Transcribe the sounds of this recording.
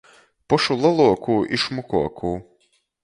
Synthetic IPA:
pɔʃulˠɔlˠuɔkʰuːʔiʃmɔkuɔkʰuː

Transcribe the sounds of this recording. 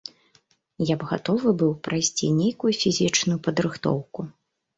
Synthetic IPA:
jabɣa̰t̪ɔvɨbɨwpɾajsʲt͡sʲḭnʲejkujufʲizʲit͡ʂnʊjupɐd̪ɾɨxt̪ɔ̰wku

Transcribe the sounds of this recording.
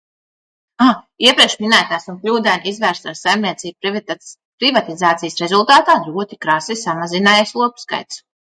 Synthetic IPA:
a | iɛpɾiɛkʃminæːt̪aːsunklʲuːd̪ɛnʲizvæːɾst̪asajmnʲiɛt̪siːb | pɾivat̪izaːt̪sijsɾɛzulˠt̪aːt̪aːd̪ɾuɔt̪ikɾasisamazinaːjaslˠuɔpska̰jt̪s

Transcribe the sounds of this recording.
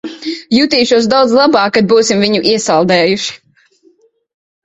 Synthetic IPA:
jut̪iːʃuɔs̬d̪awd̪zlˠabɑːkkːad̪̚buːsimviɲuʔiɛsalˠd̪ɛːjuʃi̥

